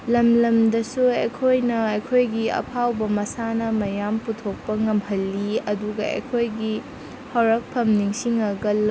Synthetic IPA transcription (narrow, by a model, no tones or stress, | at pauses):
lɐmlɐmdɐsuɐjkʰojnɐɐjkʰojɡiɐ̰pʰawbɐmɐsanɐmɐjamputʰok̚pɐŋɐmhɐlːiɐduɡɐʔɐ̰jkʰojɡi | hɐwɾɐk̚pʰɐmniŋsiŋɐɡɐl